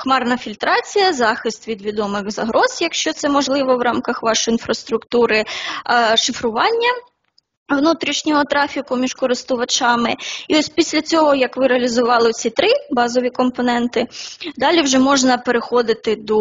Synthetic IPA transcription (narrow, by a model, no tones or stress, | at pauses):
xmɑrnɐfʲilʲt̪ɾɑt͡sʲijɐzɑxɪst̪ʋʲid̪ʋʲid̪ɔmɪɣzɐɦɾʔɔzjɐkʃt͡ʃɔt̪sɛmɔʒlˠɪʋɔwɾɑmkɐxʋɑʃɔinfɾɐst̪ɾʊkt̪uɾɪ | ʃɪfɾʊʋɑnʲːɐ | ʋnut̪ɾʲiʃnʲɔɦɔt̪ɾɑfʲikʊmʲiʒkɔɾɪst̪ʊʋɐt͡ʃɑmɪiɔsʲpʲisʲlʲɐt͡sʲɔɦɔjɐkʋɪɾeɐlʲizʊʋɑlˠɪɔt͡sʲit̪ɾɪbɑzɔʋʲikɔmpɔnɛnt̪ɪd̪ɑlʲiwʒɛmɔʒnɐpeɾɪxɔd̪ɪt̪ɪd̪ɔ